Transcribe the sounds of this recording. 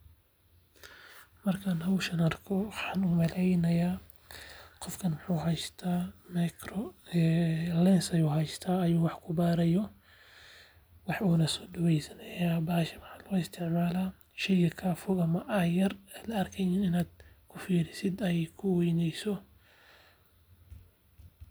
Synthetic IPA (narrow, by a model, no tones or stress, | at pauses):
mɐrkʰaːnɦɐwʃɐnɐrkʰɔwɑħɑːnuːmɐlɛjnɐjaː | qɔfkʰɐnwʊħuːɦɛjst̪ʰaːmɛkɾɔɛlɛnsɐjuːɦɛjst̪ʰaːɐjuːwɑħkʰʊbaːɾɛjɔ | wɑħuːnɐsɔːɖɐwɛjsɐnɐjaːbaːʃɐwɑħaːlɣɔɪst̪ʰɪʕmaːla | ʃɛjɣɐkʰɐfʊɣɐmɐʔɐjɐrɛjlɐɐrkʰɛjniːnɪnaːd̪̥̚kʰʊfiːɾɪsɪd̪ɛjkʰʊwɛjnɛjsɔ